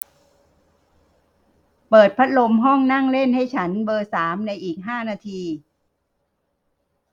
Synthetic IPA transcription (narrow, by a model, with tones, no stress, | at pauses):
pɤː˨˩t̪̚pʰa˦˥t̪̚lo˧mɦɔ˥˩ŋna˥˩ŋle˥˩nha˥˩jt͡ɕʰa˦˥nbɤː˧saː˩˦mna˧jʔiː˨˩k̚ɦaː˥˩naː˧t̪ʰiː˧